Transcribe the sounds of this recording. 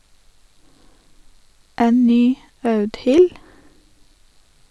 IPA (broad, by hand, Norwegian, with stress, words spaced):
ˈeːn ˈnyː ˈɑʉdhɪl